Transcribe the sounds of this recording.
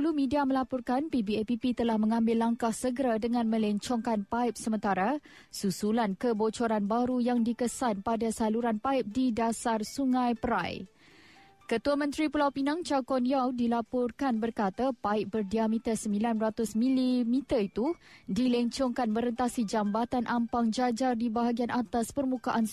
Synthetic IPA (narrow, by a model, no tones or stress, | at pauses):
ulumĩdiamə̃lapɔrkanpibiɛpipit̪əlahmə̃ŋãmbɪlːaŋkahsəɡəɾadəŋãnmə̃lɛɲt͡ʃɔŋkanpaip̚səmə̃nt̪aɾasusulankəbot͡ʃoɾanbaɾujaŋdikəsanpadasaluɾanpaɪp̚didasarsuŋãjpəɾa̰j | kət̪uamə̃nt̪ɾipulawpinaŋt͡ʃakɔnjawdilapɔrkanbərkat̪apaɪʔ̚bərdiamit̪ərsəmbilanrat̪ʊsmĩlimit̪ərit̪udilɛɲt͡ʃɔŋkanmə̃ɾənt̪asid͡ʒambat̪anʔampaŋd͡ʒad͡ʒardibaɦaɡianʔat̪aspərmũkaʔan